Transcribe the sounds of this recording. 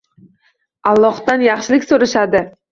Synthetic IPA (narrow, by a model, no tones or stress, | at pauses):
ɑlˠːɒhd̪anjɑχʃɪlɪkʲsoɾɪʃad̪ɪ